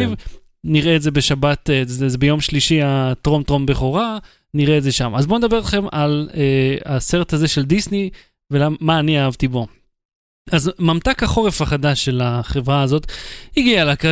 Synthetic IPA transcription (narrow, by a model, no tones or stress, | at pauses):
v | niʁeːtze̞be̞ʃabat̪ezezebejo̞mʃliʃiat̪ʁo̞mt̪ʁo̞mbeχoʁa | niʁeːtze̞ʃamazbo̞ned̪abe̞ʁlaχe̞ma̰lease̞ʁethaze̞ʃe̞ld̪isni | velaːaːniaavt̪ibo | azmamt̪akhaχo̞ʁe̞faχad̪aʃːe̞laχe̞vʁaːzo̞t̪hiɡialaka